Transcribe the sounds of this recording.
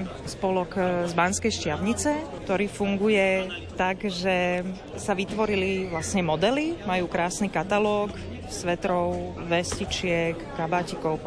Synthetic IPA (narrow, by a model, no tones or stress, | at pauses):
spɔlɔkzbanskɛjʃcɪaʊɲit͡sɛk̚t̪ɔɾiːfuŋɡujɛt̪aɡʒɛ | saʋit̪ʋɔɾiliʋlasɲɛmɔd̪ɛlimajuːkɾaːsnikat̪alɔːk | sʋɛt̪ɾɔʊ | ʋɛscit͡ʃɪɛkːabaːcikɔʊ